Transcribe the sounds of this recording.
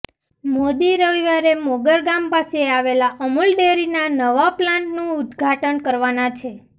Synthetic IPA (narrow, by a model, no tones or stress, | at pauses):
mod̪iɾəʋiʋaɾemoɡəɾɡampaseaʋelaʔəmulɖeɾinanəʋaplãɳʈnũʊd̪ɡʱaʈənkəɾʋanat͡ʃʰe